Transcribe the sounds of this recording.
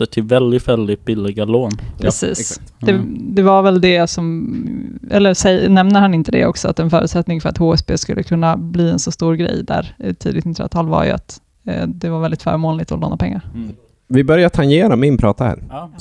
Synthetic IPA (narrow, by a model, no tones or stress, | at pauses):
əʈʰɪlvɛld̪ɪt̪vɛld̪ɪt̪̚bɪlːɪɡaloːnpʰɾɛsḭːsd̪ɛd̪ɛvaɾvɛld̪ɛsɔm | ʔɛlːəsɛjnɛmnəɾhanɪnt̪əd̪ɛ̰ʔɔksɔa̰t̪ɛnfœːɾʉ̟ːt̪sɛt̪nɪŋfœɾat̪hoːɛsbeːskɵlːəkʰɵnːabliːɛnsɔst̪uːɾɡɾɛ̰jd̪æ̰ɾt̪ʰiːd̪ɪt̪nɪt̪ːɾa̰t̪ʰɑːlva̰ɾjɵ̰a̰t̪ | d̪ɛvaɾvɛld̪ɪt̪fœ̰ːɾmoːnlɪt̪ɔlo̰ːnapʰɛŋːaɾ | vɪbœɾjat̪ʰaŋjeːɾamɛɪnpʰɾɑːt̪ahæ̰ːɾ